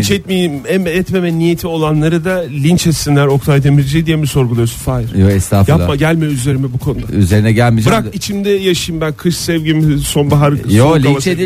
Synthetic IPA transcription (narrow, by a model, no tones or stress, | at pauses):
t͡ʃɛt̪̚mejimɛmɛt̪memɛnijet̪ʰio̞lˠanlˠaɾɯd̪alʲint͡ʃɛt̪sinlʲæɾo̞kt̪ʰajd̪emild͡ʒɛd̪ijɛmiso̞ɾɡulˠajo̞sunfajɾjoɛst̪ʰaːfjaapˠmaɟælʲmɛyze̞ɾimibukʰo̞nud̪ayzeɾinɛɟælʲmid͡ʒbɯɾakit͡ʃʰimd̪ɛjaʃajɯmbænkʰɯʃsɛvɟimiso̞nbaɦaɾɯkɯj̪oamˠaʃt͡ʃei